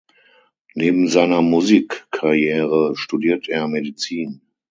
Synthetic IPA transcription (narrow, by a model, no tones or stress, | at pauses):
neːbm̩zaɪnɐmuziːkʰːaʁjɛːʁəʃtudiːɐtʔeːɐmedit͡siːn